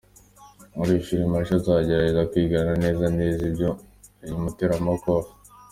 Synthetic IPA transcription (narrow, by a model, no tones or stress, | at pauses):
muɾiʃiɾimaʃozaːɟe̞ɾaɟe̞zakwiːɡanane̞ːzaneːzibɟo̞ | jumuteɾamoko